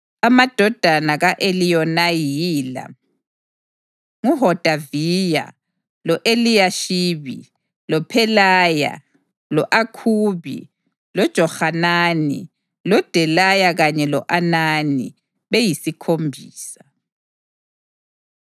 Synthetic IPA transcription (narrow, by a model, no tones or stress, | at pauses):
amad̥ʱɔd̥ʱanaɣaʔelijɔnajiːla̰ | ŋuɦɔd̥ʱaviːja̰ | lɔʔelijaʃiːβḭ | lɔpʰɛlaːja̰ | lɔʔakʰuːβḭ | lɔd̥ʒ̥ʱɔxananḭ | lɔd̥ʱɛlajaɣaɲɛlɔʔananḭ | βejisikʰombʱiːsḁ